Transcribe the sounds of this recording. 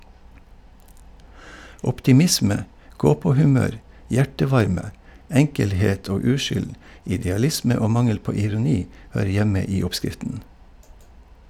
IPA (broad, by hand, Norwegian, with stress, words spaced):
ɔptɪˈmɪsmə ˈɡoːpoːhʉˌmøːɾ ˈjæʈəˌʋɑɾmə ˈɛŋkəlˌheːt ˈoː ˈʉːʃʏl ɪdɛɑˈlɪsmə ˈoː ˈmɑŋəl ˈpoː ɪɾʊˈniː ˈhøːɾə ˈjɛmə ˈiː ˈɔpˌskɾɪftən